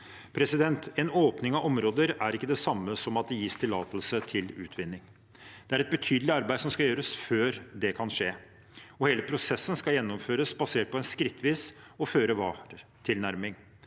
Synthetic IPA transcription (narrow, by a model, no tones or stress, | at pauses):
pʰɾɛsɪd̪ɛnt̪ɛnoːpnɪŋɑʔɔmɾoːd̪əɾæɾɪkːəd̪ɛsɑmːəsɔmɑt̪̚d̪ɛjiːst̪ʰɪlɑːt̪əlsət̪ʰɪlʉ̰ːt̪ʰʋɪnːɪŋ | d̪̥ɛæɾɛt̪̚bət̪ʰyːd̪əlɪɑɾbæɪd̪sɔmskɑjøːɾəsføːɾd̪ɛkʰɑnʂeː | ɔheːləpʰɾʊsɛsːənskɑjɛnːɔmføːɾəsbɑseːʈ̚pʰɔɛnskɾɪt̪ʰːʋiːs | ɔføːɾəʋɑːɾ | t̪ʰɪlnæɾmɪŋ